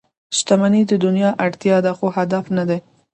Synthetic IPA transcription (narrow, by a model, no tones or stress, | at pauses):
ʃt̪amanid̪əd̪ʊnjɑʔaɽt̪jɑd̪axoɦad̪afnad̪e